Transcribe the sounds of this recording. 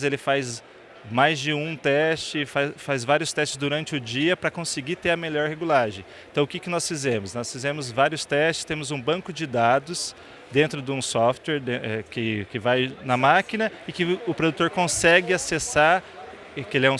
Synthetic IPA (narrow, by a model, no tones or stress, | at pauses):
zelɪfajz | majzd͡ʒɪũt̪ɛst͡ʃɪfafajzvaɾiʊst̪ɛst͡ʃɪ̥zd̪uɾɐ̃nt͡ʃɪʊd͡ʒiɐpɾɐkõsɪɡit̪eɾɐmeʎɔɾheɡulaʒẽj̃ẽt̪ɐ̃w̃ʊkɪkɪnɔsfizẽmʊsnɔsfizẽmʊzvaɾjʊst̪ɛst͡ʃɪ̥st̪ẽmʊzũbɐ̃kʊd͡ʒɪd̪ad̪ʊs | d̪ẽnt̪ɾʊd̪ɪũsɔft̪wɛɾd̪eɛkɪkɪvajnɐmakinɐɪkɪʊpɾod̪ut̪oɾkõsɛɡɪasesaɾ | ɛkelɪɛũ